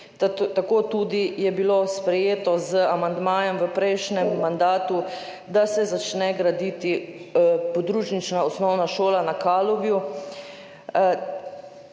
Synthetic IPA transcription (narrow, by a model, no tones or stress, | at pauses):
t̪akoːt̪ud̪ijɛbilospɾɛjeːt̪ɔzəamand̪maːjɛmʋəpɾɛjʃnɛmːand̪aːt̪u | d̪asɛzat͡ʃnɛɡɾad̪it̪i | pɔd̪ɾuːt͡ʃnit͡ʃnaɔsnɔwnaʃoːlanakaːlɔʋju